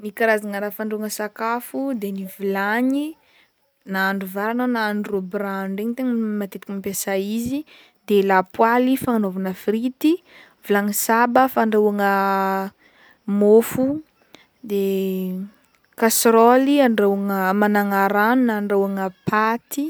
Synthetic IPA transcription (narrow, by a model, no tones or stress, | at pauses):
nikaɾazaŋəɾafaɳɖ͡ʐewaŋəsakafud̪enivilaɲi | naaɳɖ͡ʐuvaɾananaanurobɾaɳɖ͡ʐeɲt̪eŋəmat̪et̪ikimpesaizi | d̪elapwalifaŋanovanafrit̪i | v̥ilaɲisabəfaɳɖ͡ʐewaŋə | mofu | d̪e | kasɾoliaɳɖ͡ʐewaŋəmanaŋaɾanunaɳɖ͡ʐewaŋəpʰat̪i